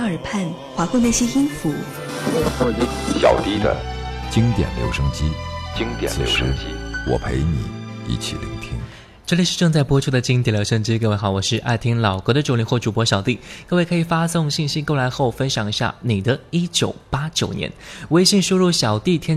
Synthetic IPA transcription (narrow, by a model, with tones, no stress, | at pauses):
ə˞˨˩pʰa˥˩n | xwa˧˥kne˥˩ɕi˥i˥nfu˧˥˦ | e˥˧xɔ˥˧i˥˩ɕjɑ̰˨˩ʊt̪i˥˩d̪ə̰˧t͡ɕi˥ŋt̪jɛ̰˨˩nljo̰˧˥ʊʂɤ˥ŋt͡ɕi˥t͡ɕi˥ŋt̪jɛ̰˨˩˨ɕɛ̰˨˧˩ʂ̩˧˥i˥wɔ̰˨˩pʰe˧˥ɪnḭ˨˩˦ | ḭ˥˩t͡ɕʰḭ˨˩lḭ˧˥ŋt̪ʰḭ˥ŋ | ʈ͡ʂɤ˥˩li˨˩ʂɻ̩˥˧ʈ͡ʂɤ˥˧ŋt͡sa˥˩ɪpwɔ˥ʈ͡ʂʰu˥˩d̪ə˨˩t͡ɕi˥ŋt̪̬jɛ˨˩ljo˧˥ʊʂə˥˧ŋʈ͡ʂɻ̩˥ke˧we˧ɪxɑ˧˩ʊwɔ˨˩ʂɻ̩˥˧ʔa̰˥˩ɪt̪ʰi˥ŋlɑ˨˩ʊkɤ˧˥ɾə˧ʈ͡ʂo˥˩li˧˥nxwɔ˥˩ʈ͡ʂu˨˩pwɔ˧˥ɕjɑ˨˩ʊt̪i˥˩kɤ˥˧we˥˩ɪkʰɤ˧˥i˨˩fa˥sʊ˥˧ŋɕi˥˩ŋɕi˥ko˥˩ʊla˧˥ɪxo˥˩ʊfə˥nɕjɑ˨˩ŋi˧˥ɕja̰˥˩ni˨˩d̪ə˦i˥t͡ɕjo˨˩ʊpa˥t͡ɕjo˨˩ʊnjɛ̰˧˥nwe˥ɪɕi˥˩ŋʂu˥ɻu˥˩ɕjɑ˨˩ʊt̪i˥˩t̪ʰjɛ˥